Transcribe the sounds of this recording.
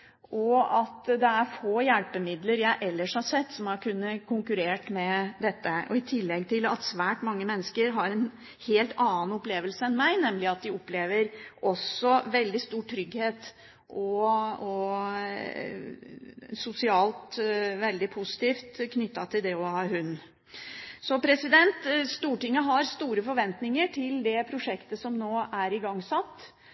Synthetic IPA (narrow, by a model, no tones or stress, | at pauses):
ɔɑt̪d̪ɛæɾfoːjælpəmɪd̪ləɾjæɪʔɛlːəʂhɑsɛt̪ːsɔmhɑɾkʰʉnːəkʰʊŋkʉɾeːʈmɛd̪ɛt̪ːəʔɔɪt̪ʰɪlːɛɡt̪ʰɪlɑ̰t̪sʋæːʈmɑŋːəmɛnːəskəɾɦɑɾɛn | heːlt̪ɑːn̩ɔpleːʋəlsəɛnmæɪnɛmːlɪɑt̪̚d̪ɪɔpleːʋəɾʔɔsːɔʋɛld̪ɪst̪uːʈʰɾʏɡheːt̪ | ʔɔɔ | sʊsɪɑːlt̪ʋɛld̪ɪpʰʊsɪ̥t̪ʰiːft̪kʰnʏt̪ːɑt̪ʰɪld̪ɛɔhɑːɦʉnː | sɔpʰɾɛsɪd̪ɛnt̪st̪uːʈɪŋːəɦɑɾst̪uːɾəfɔɾʋɛnt̪nɪŋəʈʰɪld̪ɛpʰɾʊʂɛkt̪əsɔmnoːæɾɪɡɑŋːsɑt̪ː